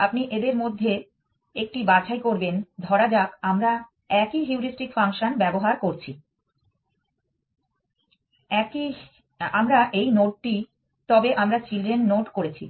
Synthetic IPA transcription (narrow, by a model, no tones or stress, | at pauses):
apniʔed̪eɾmod̪ʱːe | ek̚ʈibat͡ɕʰajkoɾbend̪ʱɔɾad͡ʑakamɾa | ɛkiɦiuɾisʈikfaŋʃonbɛboɦaɾkoɾt͡ɕʰi | ɛki | amɾaʔejnoʈ̚ʈi | t̪ɔbeʔamɾat͡ɕilɖɾenːoʈkoɾet͡ɕʰḭ